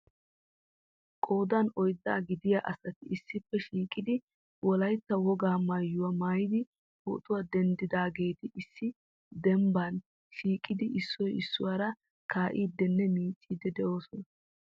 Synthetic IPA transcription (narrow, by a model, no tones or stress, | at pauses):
kʼo̞ːd̪ɐnɔjd̪ːa̰ːɡɪd̪ɪjaʔɐsɐt̪ɪʔɪsːɪpːɛʃiːkʼɪd̪ɪ | wʔɔlɐjt̪ːɐwɔɡaːmaːjːʊwɐmaːjɪd̪ɪ | ho̰ːt̪ʼʊwaːd̪ɛnd̪ɪd̪aːɡeːt̪ɪʔɪsːɪ | d̪ɛmbɐn | ʃiːkʼːɪd̪ɪʔɪsːɔjɪsːʊwaːɾɐ | kaːʔiːd̪ɛnːɛmiːt͡sʼːiːd̪ɛd̪ɛʔo̞ːsɔnɐ